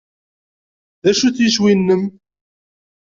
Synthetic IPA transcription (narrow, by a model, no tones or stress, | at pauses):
ðæʃuθjəʃwinːəm